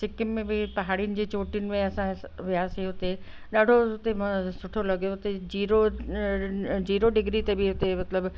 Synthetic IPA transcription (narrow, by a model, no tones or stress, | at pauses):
sɪkɪnmẽbɪpɐɦaːɽijʊnɪ̆d͡ʑeːt͡ɕoːʈijʊnɪ̆mẽɐsãʋɪaːsiɦʊt̪e | ɗaːɖʱoɦʊt̪emsʊʈʰolɐɠijoɦʊt̪ed͡ʑiːɾo | d͡ʑiːɾoɖɪɡɾit̪ebɪɦʊt̪emɐt̪ləb